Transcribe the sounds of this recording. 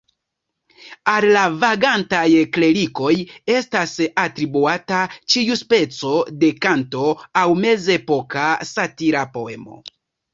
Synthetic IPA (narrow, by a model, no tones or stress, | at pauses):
allavaɡantajkle̞ɾiko̞je̞stasatɾibuatat͡ʃiuspe̞t͡so̞de̞kanto̞awme̞ze̞po̞kasatiɾapo̞e̞mo̞̰